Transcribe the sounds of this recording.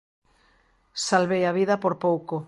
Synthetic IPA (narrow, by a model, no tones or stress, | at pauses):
salβejaβ̞iðapoɾpowko